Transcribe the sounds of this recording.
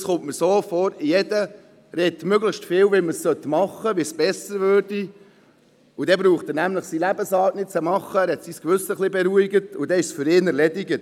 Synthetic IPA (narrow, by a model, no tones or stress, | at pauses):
sχʊmtməɾsoːfɔːɾɪjɛd̥ə | ɾɛtmøɡləχʃstfɪːwʋiməsːœt̪mɑχəʋisb̥ɛsəɾvøːɾd̥i | ʊdɛbɾuːχt̪ənæmləχsilæbəsɑːtnɪt̚t͡sɛmɑχəɛɾhɛt̪siskʋʏsəχlibɛɾuiɡətʊd̥̪ɛɪʃsfʏɾɪːnɛɾlɛdiɡət